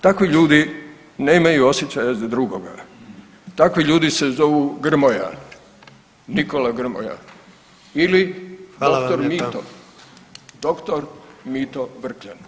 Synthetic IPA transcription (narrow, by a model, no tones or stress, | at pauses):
t̪akʋiʎuːd̪i | ne̞ːmajuosjet͡ɕajazad̪ɾuɡo̞ɡa | t̪akʋiʎuːd̪ise̞zo̞ʋuɡr̩moja̰ | niko̞laɡr̩mo̰ja̰ | ilidokt̪oɾmiːt̪o | d̪̥o̞kt̪oɾmiːt̪oʋr̩kʎan